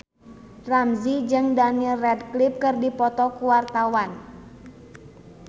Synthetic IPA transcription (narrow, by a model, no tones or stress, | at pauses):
ramzid͡ʒɨŋdanilrɛdklip̚kɨrdipɔt̪ɔkuwart̪awan